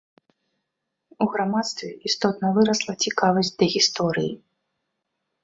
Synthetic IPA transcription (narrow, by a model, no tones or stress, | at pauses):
uɣɾamat̪st̪vʲɛist̪ɔt̪nɐvɨɾɐslˠɐt͡sʲikavɐzʲtʲd̪ɐɣʲist̪ɔɾɨji